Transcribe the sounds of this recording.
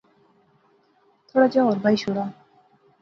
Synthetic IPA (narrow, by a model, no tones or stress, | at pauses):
t̪ʰoɽad͡ʑaaɾbajʃoɽa